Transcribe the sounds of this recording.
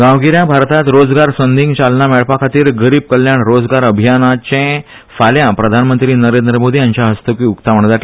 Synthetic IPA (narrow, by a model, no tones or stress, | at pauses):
ɡãwɡiɾjãbʱaɾt̪at̪ɾod͡zɡaɾsənd̪ʱĩŋɡt͡ɕalnameɭpakʰat̪iːɾɡəɾiːb̚kəljaɳɾod͡zɡaɾəbʱijanat͡ɕẽ | faljãpɾəd̪ʱanmənt̪ɾiːnəɾend̪ɾəmod̪ʱiːjaɲt͡ɕjaɦəst̪əkiːukt̪am̤əɳd̪aʈ